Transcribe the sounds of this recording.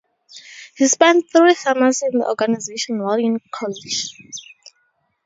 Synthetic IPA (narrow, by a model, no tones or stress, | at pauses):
hispɛ̃nt̚θɹifamazĩnðə̰ʔɔ̰ɡanazeʃɔ̃nwaliɔ̃nkʰɔlid͡ʒ